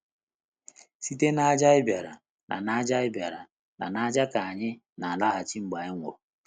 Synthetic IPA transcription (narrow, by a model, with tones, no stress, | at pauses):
si˦te˦na˦a˦d͡ʒa˦ɪ˦bja˨ɾa̰˨ | nʔa̰˨na˦d͡ʒa˦ɪ˦bja˨ɾa˨ | na̰˨na˦d͡ʒa˦ka˨a˨ɲɪ˦ | na˨a˨la˦ɦa˨t͡ʃi˦ŋ͡m̩˨ɡ͡ba˨ɪ˦ŋʷo˨